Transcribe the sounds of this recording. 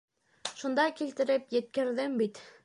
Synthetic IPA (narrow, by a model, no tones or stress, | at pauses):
ʃund̪ɑkilt̪ɘ̆ɾɘpjɘ̆t̪̚kɘ̆ɾðɘmbit̪